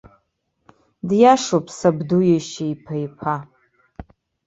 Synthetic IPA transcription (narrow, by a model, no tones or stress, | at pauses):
djaʂopʰʼsabdujaʃejpʰajpʰa